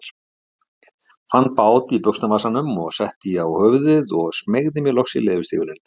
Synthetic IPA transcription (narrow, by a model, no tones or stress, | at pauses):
fan̚ːpaːwt̪ipœkst̪amaːsanʏmɔɣsɛht̪ɪjawhœvðɪðɔɣsmeɣðɪmjɛlɔxsḭleːðvʏst̪ʰḭːɣʏɾɪn